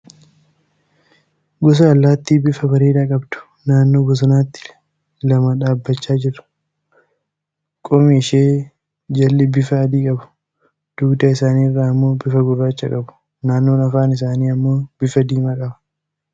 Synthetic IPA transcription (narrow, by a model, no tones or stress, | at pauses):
ɡɔs̬ɐɐlːaːt̪ːiːbɪfɐbɐɾeːᶑɐkʼɐbd̪̥ʊ̥ | naːnːo̞ːɡɔs̬ʊnaːt̪ːɪ̥ | lɐmɐᶑaːbːɐt͡ʃːaːd͡ʒɪɾʊ̥ | kʼɔmiːʃeː | d͡ʒɐlːɛbɪfɐːd̪iːkʼɐbʊ̥ | d̪̥uːɡd̪ɐɪsaːniːrːaːɪmːoːbɪfɐɡʊrːaːt͡ʃːɐ̰kʼɐbʊ̥ | naːnːo̞ːnɐfaːnɪs̬aːniːɐmːoːb̥ɪfɐd̪iːmɐkʼɐbɐ̥